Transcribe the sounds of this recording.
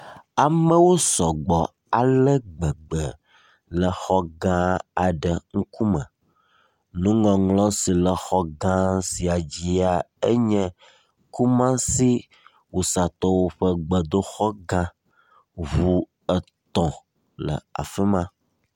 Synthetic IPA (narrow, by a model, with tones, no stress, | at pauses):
a˨mə̃˦wo˦sɔ˨ɡ͡bɔ˨ | a˨lə˦ɡ͡bə˨ɡ͡bə˨ | lə˨xɔ˦ɡã˦a˨ɖə˨ŋ̩˦ku˦mə̰̃˨ | nũ˦ŋɔ̃˨ŋlɔ̃˦si˨lə˨xɔ˦ɡã˦si˨a˨d͡ʑi˦a˨ə˦ɲɛ̃˦ | ku˦mã˦si˦ | wo˨sa˨t̪ɔ˦wo˦ɸə˦ɡ͡bə˨d̪o˦xɔ˦ɡã˦ | vu˦ | ə˨ | t̪ɔ̃˨ | lə̰˨a̰˨fə˦mã˦